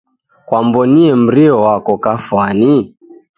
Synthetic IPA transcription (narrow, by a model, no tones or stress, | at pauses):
kwambɔniɛm̩ɾiɔwakɔkafwani